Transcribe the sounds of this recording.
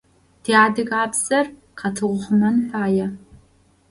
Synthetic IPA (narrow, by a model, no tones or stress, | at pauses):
d̥eaːdɨɣaːbz̥ɐr | qʰɐtʰɨʁʷʊχʷʊmɐnfaːjɐ